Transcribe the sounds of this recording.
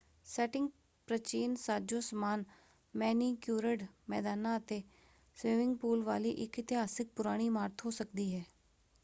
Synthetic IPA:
sɛːʈɪ̃ŋɡ | pɾət͡ʃiːnsaːd͡ʒoːsəmaːn | mɛːniːkjuːɾəɖmɛ̰ːd̪aːnãːət̪eː | sʋɪmɪ̃ŋɡpuːlʋaːliːʔɪkɪt̪ɪɦaːsɪk̚pʊɾaːɽ̃iːmaːɾt̪ʰɦoːsəkd̪iːɦɛː

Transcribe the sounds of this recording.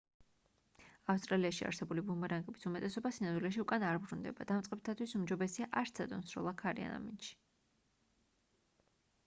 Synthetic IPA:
afst̪ʼɾaliaʃia̰ɾsɛbulibumaɾaŋɡʼɛbisumɛt̪ʼɛsɔbasinamd̪wilɛʃ̬iukʼanaɾbɾund̪ɛ̰bad̪̥amtsʼqʼɛbt̪ʰat̪ʰwisumd͡ʒɔbɛsiaʔaɾt̪sʰɛd̪ɔnsɾɔ̰lˠakʰaɾia̰na̰mint̪ʃi̥

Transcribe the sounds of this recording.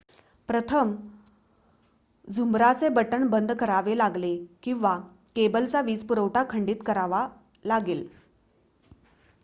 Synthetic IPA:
pɾət̪ʰəm | d͡zʱumɾat͡sebəʈənbənd̪ʱkəɾaʋelaɡlekĩw̃ʋa | kebəlt͡saʋiːt͡spuɾəwʈakʰəɳɖiːt̪kəɾaʋa | laɡel

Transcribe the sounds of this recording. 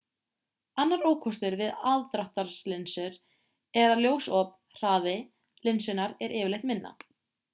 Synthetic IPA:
anːaɾoːwkʰɔst̪ʏɾvɪðaðt̪ɾawht̪aɾ̥slɪnsʏɾ | ɛɾaðljoːwsɔp | r̥aːðɪ | lɪnsʏnaɾɛɾʔɪːvɪlejht̪mɪnːa̰

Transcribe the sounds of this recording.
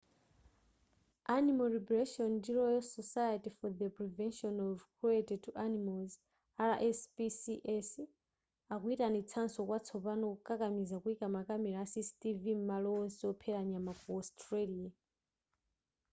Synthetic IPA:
animalɾibɾeʃɔndiɾɔjɔsɔsajatifɔðəpɾivɛnʃɔnɔvkʰɾietɛtʰuʔanimalz | aɾaʔɛspisiʔɛs | akuitanit͡sʰansɔkwat͡sʰɔpanɔkukʼakamizakuikamakamɛɾaːsistivimmalɔɔsiɔpʰɛɾaɲamakuɔstʰɾelia

